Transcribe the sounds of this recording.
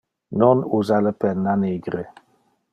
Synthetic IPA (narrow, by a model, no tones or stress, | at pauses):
nɔnuzaləpɛnːaniɡɾə